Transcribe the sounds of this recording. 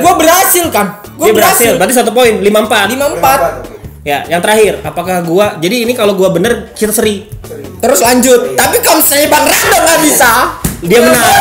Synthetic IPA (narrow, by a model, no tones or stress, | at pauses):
ɡuabəɾɦasɪlkam | ɡuaabəasɪllbat̪isat̪̬up̬oɪnlimaəmpat̪limampat̪̚ja̰jaŋt̪əɾaɦɪrapakahɡuad͡ʒadiːnikaloɡuabənərt͡ʃit̪asəɾi | t̪əɾʊslaɲd͡ʒʊt̪̚ːapikamsaebaŋradaŋɡabisadiaməna